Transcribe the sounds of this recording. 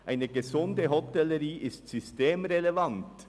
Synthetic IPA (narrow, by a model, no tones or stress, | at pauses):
ʔaɪnəɡezʊndəɦɔtɛləɾiːʔɪstsysteːmɾelevɑnt